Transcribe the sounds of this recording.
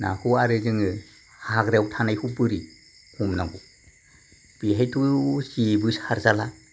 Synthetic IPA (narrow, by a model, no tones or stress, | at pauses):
na̰huaɾɯzɯŋɯ | haɡɾewtʰanajhubɯɾi | kʰumnaŋɡu | b̥iɦajtʰusibɯshaɾzala